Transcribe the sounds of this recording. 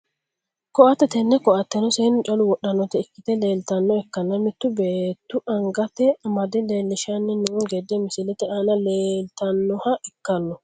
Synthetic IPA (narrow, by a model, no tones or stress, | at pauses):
kɔʔɐt̪ːɛt̪ɛnːɛkɔʔɐt̪ːɛnɔseːnʊt͡ʃʼɐlʊwɔɗːɐnːɔt̪ɛɪkːɪt̪ɛleːlt̪ɐnːɔɛkːɐnːɐmɪt̪ːʊbeːt̪ːʊʔɐŋɡɐt̪ːɛmɐd̪ɪleːlːɪʃɐnːɛnuːŋɡɛd̪ːɛmɪsɪlɛt̪ɛʔanɐleːlt̪ɐnːɔhɐʔɛkːɐnːɔ